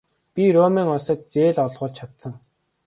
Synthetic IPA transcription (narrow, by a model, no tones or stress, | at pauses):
pʲiromeːŋʊsə̆t̪̚t͡seːɮɔɮʁʊːɮt͡ɕt͡ɕʰat̪sə̆ŋ